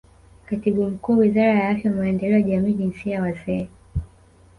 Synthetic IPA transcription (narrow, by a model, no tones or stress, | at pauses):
katiɓum̩kuːwizaɾajaafjawamaɛndɛlɛɔjaʄamiːʄinsijawazɛ